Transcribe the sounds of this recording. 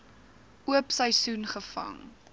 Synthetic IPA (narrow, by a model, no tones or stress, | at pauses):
uəpsəjsunχəfɐ̰ŋ